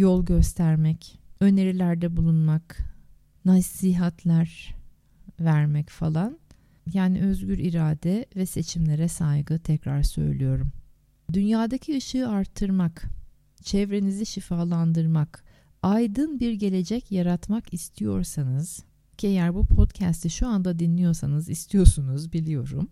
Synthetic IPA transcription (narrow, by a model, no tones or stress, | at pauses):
jɔlˠɟø̞st̪ʰæɾmɛcø̞ne̞ɾilʲæɾd̪ɛbulˠunmak | nasːiːɦat̪ʰlʲæɾ | væɾmɛcfalˠan | jaːniʔø̞zɟyɾiɾaːd̪ɛvɛse̞t͡ʃʰimlʲe̞ɾɛsajɡɯt̪ʰɛcɾaɾsø̞̰jlʲijo̞ɾum | d̪ynjaːd̪acʰiɯʃɯːaɾt̪ʰːɯɾmak | t͡ʃʰɛvɾe̞niziʃifaːlˠand̪ɯɾmak | ajd̪ɯnbiɾɟe̞lʲe̞d͡ʒɛcjaɾat̪makist̪ʰijo̞̰ɾsanɯz̥ | cʰiejæɾbupʰo̞t̪cʰæst̪ʰiʃuand̪ad̪inlːʲijo̞ɾsanɯzist̪ʰijo̞sunuzbilʲijo̞ɾṵm